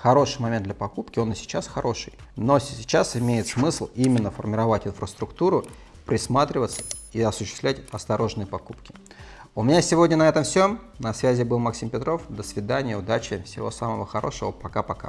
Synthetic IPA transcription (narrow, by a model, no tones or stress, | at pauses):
xɐɾo̞ʂɨjmɐmʲed̪lʲəpɐkupkʲɪo̞nɪsʲɪ̥t͡ɕasxɐɾo̞ʂɨjno̞ɪt͡ɕasɪmʲejɪt̪smɨslˠimʲɪnːəfərmʲɪɾɐvatʲɪnfrəst̪ɾʊkt̪uɾʊ | pɾʲɪsmat̪ɾʲɪvət̪sə̥ | iɐsʊɕːɪ̥st̪vlʲætʲɐst̪ɐɾo̞ʐnɨjəpɐkupkʲɪ̥ | ʊmʲɪnʲasʲɪvo̞dʲnʲənɐɛt̪əmfsʲonɐsvʲæzʲɪbɨlˠmɐksʲimpʲɪt̪ɾo̞fd̪əsvʲɪd̪anʲɪjəʊd̪at͡ɕɪfsʲɪ̰vo̞̰saməvəxɐɾo̞̰ʂəvəpɐkapɐka̰